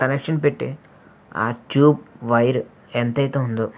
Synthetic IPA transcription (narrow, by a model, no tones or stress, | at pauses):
kɐnekʂɐnpeʈːḭ | a̰ːʈjuːb̚ʋɐjɾ | ent̪ɐjt̪eːund̪u